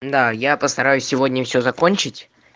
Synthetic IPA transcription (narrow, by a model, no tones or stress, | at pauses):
d̪ajapəst̪ɐɾajʉsʲːɪvo̞dʲnʲɪfsʲɵzɐkonʲt͡ɕɪtʲ